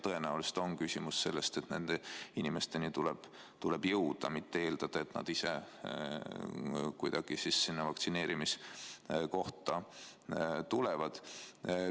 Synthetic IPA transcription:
t̪ɤe̞næulise̥t̪o̞nkysʲimusse̞lːe̞st̪e̞t̪ne̞nd̪̥einʲime̞st̪e̞nit̪ulɛb̥ | t̪uleb̥jɤwd̪̥ɑmit̪ːe̞eːld̪̥ɑd̪̥ɑe̞t̪nɑ̰d̪isḛ | kujd̪̥ɑɡ̥isisːinːɑvɑkt̪sine̞ːɾimis | ko̞ht̪ɑ | t̪ulevɑd̪̥

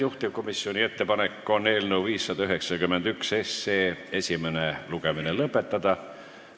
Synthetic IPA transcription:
juht̪ivko̞misːio̞nʲie̞t̪ːepɑnekːˑo̞nːe̞ːlnewviːsːɑd̪ɑyɦe̞ksɑkymːend̪̥ykse̞sːe̞ːe̞sʲimeneluɡ̥e̞mine̞lɤpːˑe̞t̪ːɑd̪̥ɑ

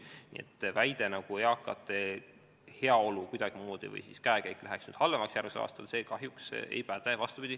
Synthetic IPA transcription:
nḭːḛt̪ːˑvæjd̪̥e̞nɑɡ̥uejɑkːˑɑ̰t̪ːˑe | heɑo̞lukujd̪̥ɑɡ̥imuːd̪̥ḭvɤ̰jsiskæekejkːlæɦeksny̰ːd̪̥hɑlːemɑksjærmiseʔɑ̰ːst̪ɑlse̞ːkɑɦjuksḛjpæd̪̥evɑst̪upid̪i

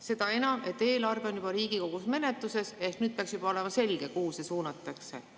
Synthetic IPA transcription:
se̞d̪̥ɑe̞nɑme̞t̪ːˑe̞ːlɑrveo̞njub̥ɑɾiːɡ̥iko̞ɡ̥usme̞ne̞t̪ːˑuse̞se̞hknyːd̪̚peɑksjub̥ɑo̞le̞mɑse̞lɡ̥e̞kuːsesuːnɑt̪ːˑɑkse̞̰

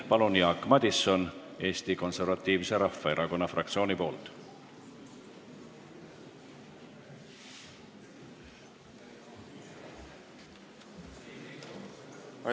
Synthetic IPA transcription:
pɑlunjɑkːˑmɑd̪̥ʲiso̞ne̞ːst̪iko̞nse̞rvɑt̪ˑːiːvse̞ɾɑfːɑe̞ɾʔɑko̞nːɑfrʔɑ̰kt̪sio̞ːnipo̞ːlt̪ˑ

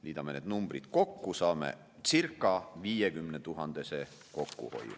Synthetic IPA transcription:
liːd̪ɑmeneːd̪numb̥rid̪̥ko̞kːusɑːmḛ | t̪sirkːˑɑviːjekymnet̪uɦɑnd̪̥e̞se | ko̞kːṵho̞̰j̰ːṵ

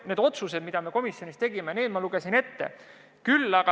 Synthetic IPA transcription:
ne̞ːd̪o̞t̪suse̞d̪̥mid̪ɑme̞ko̞misjo̞nist̪eɡ̥imeneːd̪̥mɑluɡ̥e̞sine̞t̪ːe̞̰ | kylːɑɡɑ

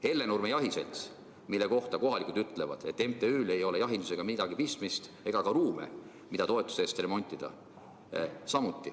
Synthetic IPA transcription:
e̞lːe̞nurmejɑɦise̞̰lt̪s | milːe̞ko̞ht̪ɑko̞ɦɑlikuld̪yt̪ːˑle̞vɑ̰d̪̥et̪ːˑe̞mt̪e̞yːle̞jo̞le̞jɑɦind̪use̞ɡ̥ɑmid̪̥ɑɡipist̪mist̪e̞ɡ̥ɑkɑruːme̞̰ | mid̪̥ɑt̪o̞e̞t̪ːˑu̥seːst̪re̞mo̞nʲt̪ʲːˑid̪̥ɑ̰ | sɑmut̪ːˑi

